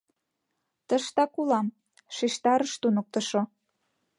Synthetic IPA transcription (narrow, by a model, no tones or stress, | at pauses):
t̪ə̆ʃt̪ɑkulɑm | ʃiʃt̪ɑɾəʃt̪unək̚t̪ə̆ʃo